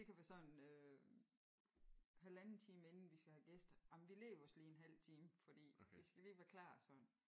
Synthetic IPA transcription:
d̥e̝kʰæʋæɐsɒ̽nn̩ø | hælænn̩t͡sʰiːməe̝nn̩ʋisɡ̥æhæɡ̥esd̥jɑ̈mnʋile̝̰ːɐɒ̽sliːenɦæl̰t͡sʰiːməfɒ̽d̥ḭːʋisɡ̥æliːʋæːɐkʰlɑ̈ːsɒ̽nn̩

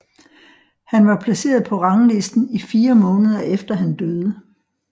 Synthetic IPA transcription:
hænʋɑ̈pʰlæse̝̰ːɐð̞ˠpʰɒ̽ʁɑ̈ŋəle̝sd̥n̩ifiːɐmɔ̽ːnəð̞ˠɐʔefd̥ɐɦænd̥øð̞ˠə

